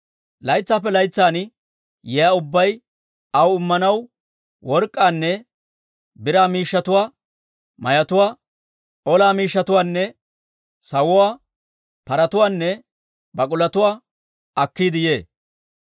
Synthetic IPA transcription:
lɐjt͡sːaːp̬ːɛlɐjt͡sːaːn | jɛjaʊbːɐj | ɐwʊmːɐnɐw | wɔɾkʼːaːnːɛ | bɪɾaːmiːʃːɐt̪ʊwaː | mɐjɐt̪ʊwaː | ʔɔlaːmiːʃːɐt̪ʊwaːnːɛ | sɐwʊwaː | pɐɾɐt̪ʊwaːnːɛ | bɐkʼʊlɐt̪ʊwaː | ɐkːiːd̪ɪjeː

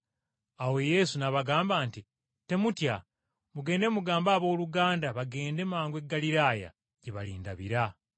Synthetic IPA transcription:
awe̞je̞sunaβaɡaːmbaːnti | te̞mutja | muɡe̞ːnde̞muɡaːmbaːβo̞ːluɡaːndaβaɡe̞ːnde̞maːŋɡwe̞ɡːaliɾaːja̰ | ɟeβaliːndaβiɾa

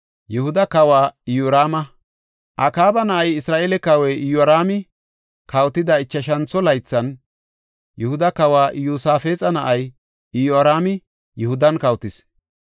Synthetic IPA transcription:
jɛhʊd̪ɐkɐwaːɪjoːɾaːmɐ | ʔɐkaːbɐnɐʔɐjɪsɾaːʔeːlɛkɐwɛʔɪjɔɾaːmɪ | kɐwt̪ɪd̪ɐɪt͡ʃːɐʃɐnt͡sːɔlɐjt͡sːɐn | jɛhʊd̪ɐkɐwaːʔɪjuːsaːfeːt͡sʼɐnɐʔɐj | ɪjɔɾaːmɪ | jɛhʊd̪ɐnkɐwt̪ɪs

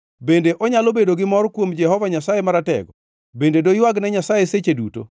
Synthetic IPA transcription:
bendeʔɔɲalobedoɡɪmɔɾkwomd͡ʒɛhɔvaɲasajemaɾatɛ̰ɡɔ | bendedojwaɡnɛɲasajeset͡ʃeduto̰

